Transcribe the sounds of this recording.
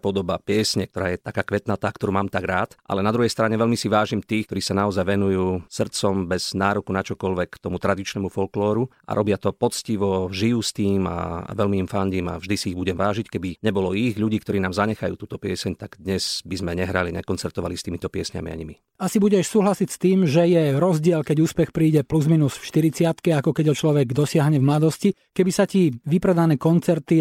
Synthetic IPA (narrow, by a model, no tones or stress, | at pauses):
pɔd̪ɔbapɪɛsɲɛk̚t̪ɔɾaːjɛt̪akaːkʋɛt̪nat̪aːkt̪ɔɾuːmaːmt̪aɡɾaːt̪ʔa̰lɛnad̪ɾuɦɛjst̪ɾaɲɛʋɛʎmisiʋaːʒimt̪iːxkt̪ɔɾiːsanaɔzajʋɛnujuːsr̩t͡sɔmbɛz̥naːɾɔkunat͡ʃɔkɔʎʋɛkt̪ɔmut̪ɾad̪it͡ʃnɛmufɔlklɔːɾuʔa̰ɾʔɔbɪat̪ɔpɔt͡sciʋɔʒijust̪iːma̰ʋɛʎmimfanɟiːma̰vʒd̪isiiɣbuɟɛmʋaːʒickɛbiɲɛbɔlɔiɣʎuɟiːkt̪ɔɾiːnaːmzaɲɛxajuːt̪uːt̪ɔpɪɛsɛɲt̪aɡ̥d̪ɲɛz̥bizmɛɲɛɦɾaliɲɛ̰kɔnt͡sɛɾt̪ɔʋa̰list̪iːmit̪ɔpɪɛsɲa̰mḭa̰ɲimi | asibuɟɛʃsuːɦlasicst̪iːmʒɛjɛɾɔzɟɪɛlkɛɟuːspɛxpɾiːɟɛpluzminusfʃt̪iɾit͡sɪat̪kɛakɔkɛɟɦɔt͡ʃlɔʋɛɡd̪ɔsɪaɦɲɛvmlad̪ɔsci | kɛbisaciʋipɾɛd̪anɛːkɔnt͡sɛɾt̪i